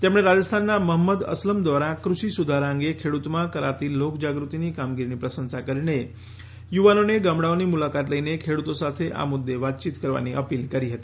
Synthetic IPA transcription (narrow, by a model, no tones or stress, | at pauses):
t̪emɽ̃eɾad͡ʒəst̪ʰanːaməɦəmːəd̪ə̰sləmd̪ʋaɾakɾuʃisud̪ʱaɾaə̃ŋɡekʰeɽut̪mãkəɾa̰t̪ilokd͡ʒaɡɾut̪inikamɡiɾinipɾəsənsakəɾine | juʋanoneɡamɽaonimulakat̪ləinekʰeɽut̪osat̪ʰeʔa̰mʊd̪ːeʋat̪̚t͡ʃit̪kəɾʋa̰niʔəpilkəɾiɦət̪i